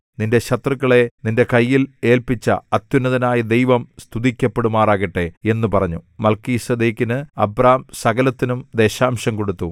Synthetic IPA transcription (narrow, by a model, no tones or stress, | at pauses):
ninde̞ɕɐt̪rɨɣːɐɭe̞ninde̞kɐjːile̞ːlpit͡ɕːɐ̰ɐt̪junːɐðɐnaːjɐd̪ejʋɐmst̪ʰuðikʲːɐpːe̞ɽumaːraːɣiʈːe̞e̞nːupɐrɐɲːumɐlkiːsɐd̪eːkːinɨɐbraːmsɐɣɐlɐt̪ːinumd̪e̞ːɕaːmɕɐmko̞ɽut̪ːu